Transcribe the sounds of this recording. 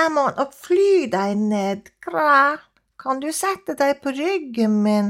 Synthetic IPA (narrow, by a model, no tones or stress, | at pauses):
æmɑnʔɔflyːd̪æɪneːd̪kʰɾæː | kʰɑnd̪ʉːsɛt̪əd̪æɪpʰoːɾʏɡəmɪn